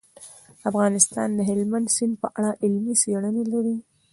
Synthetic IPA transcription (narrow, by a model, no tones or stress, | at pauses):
afɣɑnɪst̪ɑ̰nd̪əɦɪlmand̪sinpəʔaɽaʔɪlmiseɽənelaɾi